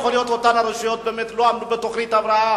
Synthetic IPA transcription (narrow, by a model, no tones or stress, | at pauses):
χolijo̞t̪otanaɾeʃijo̞t̪̚bemet̪loamdubet̪oχɾit̪avɾaa